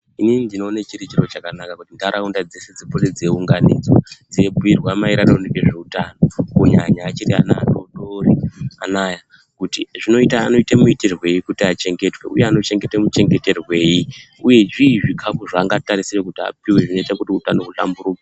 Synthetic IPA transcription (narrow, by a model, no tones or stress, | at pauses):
ininindino̞ːnat͡ʃiɾit͡ʃiro̞t͡ʃakanakakutindaɾaundad͡ze̞se̞d͡zipoled͡zieuŋɡanḭd͡zwad͡ziebujirwamaiɾaɾanekeʐe̞utano̞kuɲaɲaːt͡ʃiria̰na̰ro̰ɗoria̰naja | kutiʐino̞itaːno̞itemuiterwe̞jikutiat͡ʃe̞ŋɡe̞twe̞ṵjeano̞t͡ʃe̞ŋɡetemut͡ʃe̞ŋɡe̞te̞rwe̞ːji | uje̞ʐiːʐikʰafuʐaːŋɡataɾisirekutia̰piwe̞ʐino̞itakutiutanokuta̰mbuɾuːke